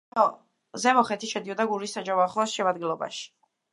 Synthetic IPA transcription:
ɔ | zɛmɔχɛt̪ʰiʃɛd̪iɔd̪aɡuɾisːad͡ʒavɔaχlˠɔsʃɛmad̪ɡilˠɔba̰ʃi̥

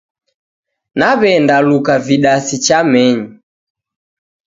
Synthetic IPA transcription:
naβɛndalukaviɗasit͡ʃamɛɲi

